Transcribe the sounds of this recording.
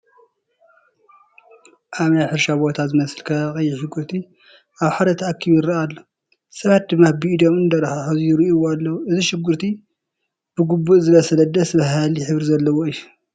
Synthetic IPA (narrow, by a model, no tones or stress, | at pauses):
ʔaβnajħɨɾʃabo̞t̪ʰazɨmɐsɨlkʰɐkʼɐjːɛʃɪɡːɨɾt̪ʰi | ʔaβħad̪ɐt̪ʰɐakʰːiβjɪɾɐalːo | sɐβat̪̚d̪ɨmːafbid̪omɨnd̪ɐɾħaħozjɪɾiʔiwoalːɐwuʔɨziʃɪɡːɨɾt̪ʰi | b̥ɨɡubːuʔzɨβɐsɐlɐd̪ɐsbɐɦaljɪħɨβɾizɐlːɐwoɨjːu